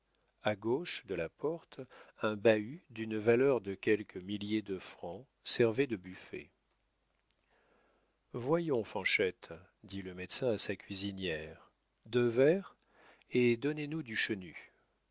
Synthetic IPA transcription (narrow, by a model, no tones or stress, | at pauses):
aɡoʃd̪əlapɔʁt̪ɛ̃bayd̪ynvalœʁd̪əkʲɛlkʰəmiljed̪əfχɑ̃ | sɛʁved̪əbyfḛ | vwajɔ̃fɑ̃ʃɛt̪ | d̪iləmɛt̪sɛ̃asakʲɥizinjɛʁ | d̪əvɛʁ | ed̪ɔnenud̪yʃəny